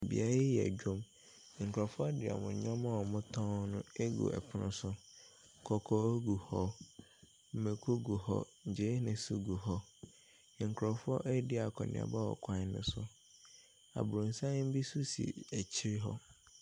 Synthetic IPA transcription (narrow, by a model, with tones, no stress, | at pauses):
bḭ˨a˦ɾa˦jɛ˨æ̰˨d͡ʑᶣõ˦m˨ | ŋ̩˨kʰɾɔ˨fʊ˦ɔ˦dɪ˨a̰˨mʊ̰̃˨ɲɔ̃˦mã˦wɔ˨mʊ̃˦tʰɔ̃˦nʊ̃˦e˦ɡṵ˨ʔɛ̰˨pʰʊ˨nʊ̃˦sʊ˦˨ | kʰɔ˨kʰɔ˦o˦ɡu˨hɔ˦ | m̩˨mẽ˨kʰo˦ɡu˨hɔ̰˦ɲ̩˨d͡ʑe˦nɪ̃˨su˦ɡu˨hɔ˦˨ | ŋ̩˨kʰɾɔ˨fʊ˦ɔ˦ʔɛ˦dɪ˦a˨kʰɔ˨nɪ̰̃˨ã̰˨ba˦wɔ̰˨kʷʰã˦nʊ̰̃˦sʊ˦ | a̰˨bʊ˨ũ˨n̩˨sã˦m̩˦bi˦su˦sḭ˨æ˨t͡ɕʰɪ˦ɾɪ˦ɦɔ̰˦